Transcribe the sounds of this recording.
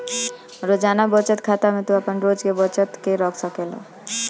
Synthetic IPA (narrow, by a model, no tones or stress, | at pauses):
ɾod͡ʒaːnabɔt͡ʃət̪kʰat̪amẽt̪uapənɾod͡ʒkebɔt͡ʃət̪keɾɔksəkelḛ